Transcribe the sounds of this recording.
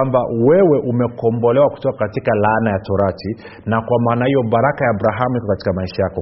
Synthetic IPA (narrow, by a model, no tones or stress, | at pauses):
amba̰wɛwɛʔumɛkɔmbɔlɛwaku̥tɔkakatikalanajatɔɾati | nakwamaːnahijɔbaɾakajaːbɾaɦamuhikɔkati̥kamaiʃajakɔ